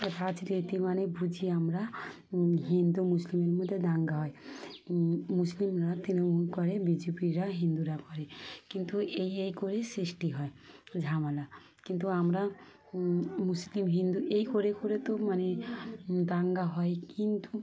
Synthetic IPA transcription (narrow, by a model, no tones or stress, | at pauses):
ɾad͡ʒɾet̪imanebʱud͡ʒʱiamɾa | ɦind̪umuslimeɾmod̪ʱːed̪aŋɡaɦɔj | muslimɾat̪inomulkɔɾebid͡ʒepiɾaɦind̪uɾakɔɾekint̪uejejkoɾesɾisʈiɦɔed͡ʒʱamala | kint̪uamɾa | muslimɦind̪uʔejkoɾekoɾet̪umane | d̪aŋɡaɦɔjkint̪u